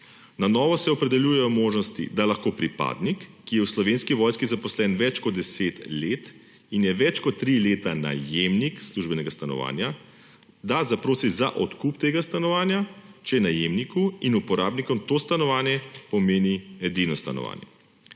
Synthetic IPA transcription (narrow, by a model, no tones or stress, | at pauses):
nanɔːʋɔsɛɔpɾɛd̪ɛljuːjɛjɔmoːʒnɔst̪ḭd̪alaxkoːpɾipa̰ːd̪nikːijɛwslɔʋeːnskiʋɔjskizapɔslɛnʋɛt͡ʃkɔd̪d̪ɛseːt̪leːt̪ | injɛʋɛt͡ʃkɔt̪ːɾileːt̪ana̰jemniksluʒbɛnɛɡast̪anɔ̰ʋa̰nja | d̪azapɾoːsizaʔɔt̪kupt̪eːɡast̪anɔʋaːnjat͡ʃɛnajeːmnikuinupɔɾaːbnikɔmt̪oːst̪anɔʋaːnjɛpɔmeːniɛd̪inɔst̪a̰nɔ̰ʋa̰ːnjɛ̰